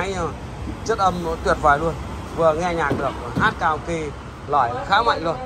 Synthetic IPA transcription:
jɲə˧˩ | t͡ɕə˦˥t̚ʔə˧mno̰˧˥jt̪wi˨˩ət̚vaː˨˩jlu˧ən | vɨ˨˩əŋɛ˧ɲaː˨˩k̚ɗɨ̰˨˩ək̚ɦaː˦˥t̚kaː˧˩wki˧˩ | lɔ˧˩jxaː˨˦ma̰ː˧˨jlu˧ən

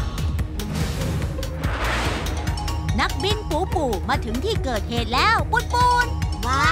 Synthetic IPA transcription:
na˦˥k̚ɓi˧nku˧˩˦pu˨˩maː˨˩t̪ʰɨ˨˦ŋt̪ʰi˧˩kəː˨˩t̚he˨˩t̚lɛː˨˧˥wɓo˦˥t̚fo˧˩nwaː˨˩

